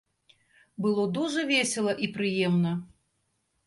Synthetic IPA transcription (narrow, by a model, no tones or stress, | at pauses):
bɨlˠɔd̪uʐɐvʲesʲɛlˠɐʔipɾɨjɛmnɐ